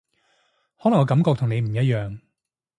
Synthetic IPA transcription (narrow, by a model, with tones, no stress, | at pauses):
hɔː˨˥lɐ˨˩ŋɔː˨˧kɐ˨˥mkɔː˧k̚t̪ʰʊ˨˩ŋne˨˧jm̩˨˩jɐ˥t̚jœː˨ŋ